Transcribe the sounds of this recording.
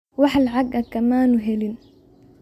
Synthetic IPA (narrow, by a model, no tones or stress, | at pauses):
wɑħalʕaɡɐkɐmaːnʊɦɛlin